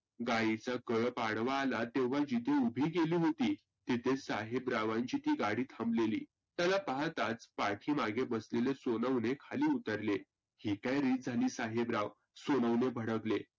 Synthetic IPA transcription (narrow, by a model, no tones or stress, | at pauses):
ɡajit͡sakəɭpaɽʋaːlat̪eʋ̤ad͡ʑit̪ʰeubʱiːɡeliːɦot̪iː | t̪it̪ʰesaɦebɾaʋãɲt͡ɕiːt̪iːɡaɽiːt̪ʰə̃mblelḭː | t̪jalapaɦat̪at͡spaʈʰiːmaɡebəslelesonəwnekʰaliːut̪əɾle | hikajɾiːt̪̚d͡zʱaliːsaɦebɾaʋ | sonəwnebʱəɽəɡle